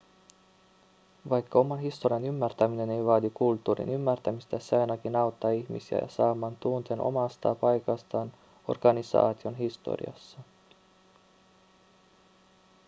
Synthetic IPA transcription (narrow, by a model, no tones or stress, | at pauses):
ʋɑjkːɑo̞mɑnɦist̪o̞ɾiɑnymːært̪æmine̞ne̞jʋɑːd̪ikult̪ːuːɾḭnymːært̪æmist̪æsɑjnɑkinɑwt̪ːɑːiçmisiæ̰jɑ̰sɑːmːɑːnt̪uːnt̪enʔo̰mɑst̪ɑ̰ːpɑjkɑst̪ɑːn | o̞̰rɡ̥ɑnisɑ̰ːt̪io̞nɦist̪o̰rḭɑ̰sːɑ